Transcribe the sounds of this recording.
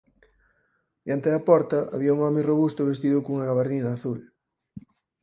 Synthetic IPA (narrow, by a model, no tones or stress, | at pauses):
d̪jant̪eðɐpɔɾt̪ɐʔa̰βiɐuŋɔmeroβust̪ʊβest̪iðʊkouŋɐɣaβaɾðinɐːθul